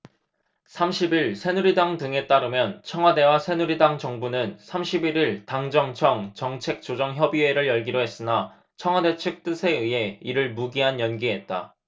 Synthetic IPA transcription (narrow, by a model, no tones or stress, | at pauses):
sʰamɕʰibiɭsʰe̞nuɾidaŋtɯŋe̞t͈aɾɯmjʌnt͡ɕʰʌŋɦwade̞wasʰe̞nuɾidaŋd͡ʑʌŋbunɯnsʰamɕʰibiɾiɭtaŋd͡ʑʌŋt͡ɕʰʌŋt͡ɕʌŋt͡ɕʰe̞k̚t͡ɕ͈od͡ʑʌŋçjʌbie̞ɾɯɭjʌɭɡiɾoɦe̞s͈ɯna | t͡ɕʰʌŋɦwade̞t͡ɕʰɯk̚t͈ɯsʰe̞ɯje̞iɾɯɭmuɡiɦanjʌnɡiɦe̞t̚t͈a̰